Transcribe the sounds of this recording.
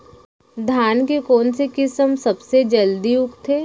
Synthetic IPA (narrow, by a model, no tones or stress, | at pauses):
d̪ʱaːnkekoːnsekɪsəmsɐbsed͡ʒɐld̪iʊkt̪ʰeː